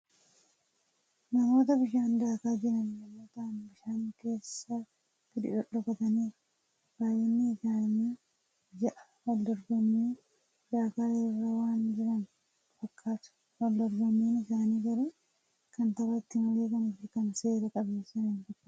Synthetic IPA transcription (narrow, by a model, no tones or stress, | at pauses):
nɐmo̞ːt̪ɐbɪʃaːnd̪aːkaːd͡ʒɪɾɐnjɐmːoːt̪ɐʔɐnbɪʃaːŋke̞ːsːa | tɪd̪ɪʔɔᶑɔkɐt̪ɐniː | b̥aːjɪnːɪːsaːɲːa | d͡ʒɐʔɐ̥ | wɐld̪ɔɾɡɔmːiː | d̪aːkaːhɛrːɐwaːnd͡ʒɪɾɐn | fɐkʰːaːt̪ʊ̥ | wɐld̪ɔɾɡɔmːiːnɪsaːniːkɐɾɛ | kɐnt̪ɐbɐt̪ːɪmɐle̞ːkɐnʊfɪkɐnse̞ːɾɐkʼɐbeːsːɐnɪnkɪɾ